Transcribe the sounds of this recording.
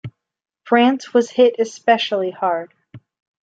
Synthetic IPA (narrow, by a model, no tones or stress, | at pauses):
fɹæ̃nswʌz̥hɪɾɨspɛʃl̩ˠihɑɹd̥